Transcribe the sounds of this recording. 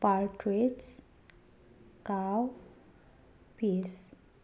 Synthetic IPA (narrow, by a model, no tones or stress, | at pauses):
paɾʈɾeʈs | kaw | pis